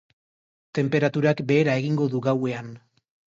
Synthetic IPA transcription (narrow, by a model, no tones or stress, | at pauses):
t̪e̞mpe̞ɾat̪uɾakbe̞ːɾae̞ɣiŋɡo̞ðuɣawe̞an